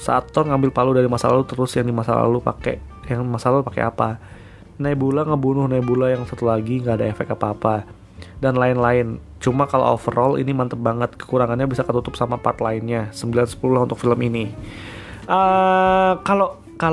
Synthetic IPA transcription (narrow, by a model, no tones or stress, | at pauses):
sa̰ːt̪ːɔrŋambɪlpaludaɾimasalalut̪əɾʊsjaŋdimasa̰la̰lupa̰kḛjaŋmasalalupakḛa̰pa | naibulaŋəbunʊhnaibulajaŋsat̪ulaɡiŋɡaːdaefɛ̰k̚t̪apaːpa | danlaɪnlaɪn | t͡ʃumakalo̰ɔ̰fərɔlḭnimant̪əbaŋət̪kə̥kuɾaŋanɲabisakət̪ut̪ʊpsamapart̪laɪnɲasəmbilansə̥pululaunt̪ʊk̚filəmini | ə | kalo | ka